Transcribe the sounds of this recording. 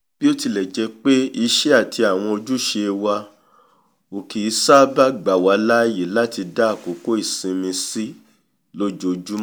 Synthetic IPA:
b̥i˦o˦ti˧lɛ˨d͡ʒɛ˧k͡pe˦i˧ʃɛ˦a˦˨tʰi˧a˨w̃ɔ̃˧o˧d͡ʒu˦ʃe˧wa˧ | o˨ki˨˦sa˦ba˦ɡ͡ba˨wa˨˦la˦je˨la˦ti˧da˦˨ko˨˦ko˦i˦˨sĩ˧mĩ˧si˦ | lo˦d͡ʒo˦˧d͡ʒu˦m˦

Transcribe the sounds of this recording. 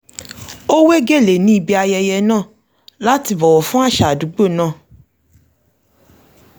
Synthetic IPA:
o˦we˦ɡe˦˨le˨nĩ˦i˧bi˧a˧jɛ˧jɛ˧nãː˦˨ | la˦ti˧bɔ˨wɔ˨fũ˦a˦˨ʃa˨du˨˦ɡ͡bo˦˨nãː˦˨

